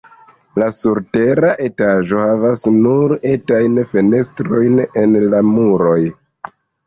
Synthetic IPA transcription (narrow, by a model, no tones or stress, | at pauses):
lasuɾte̞ɾaʔe̞taʒo̞havasnuɾe̞tajnfe̞ne̞stɾo̞jne̞nlamuɾo̞j